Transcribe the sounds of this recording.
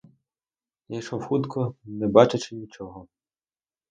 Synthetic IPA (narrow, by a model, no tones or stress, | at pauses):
jɐkʃɔxut̪kʰɔnɛbɑt͡ʃɪt͡ʃɪnʲit͡ʃɔɦɔ